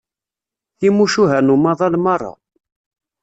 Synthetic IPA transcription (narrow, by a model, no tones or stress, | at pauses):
θimuʃuɦænumɑðˤɑlmɑrˤːɑ̰